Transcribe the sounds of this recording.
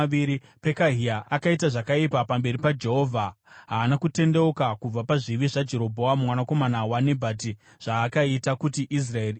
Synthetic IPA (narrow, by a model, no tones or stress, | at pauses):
iɾi | pe̞kaɦiaʔakaitaʐakaipapambe̞ɾipad͡ʒe̞ɦo̞ːvʱaɦaːnakute̞nde̞ukakub͡vapaʐiʋiʐad͡ʒe̞ɾo̞bʱo̞wamumwanako̞manawanebʱat̬i | ʐ̥aːkaitakutiʔis̬rae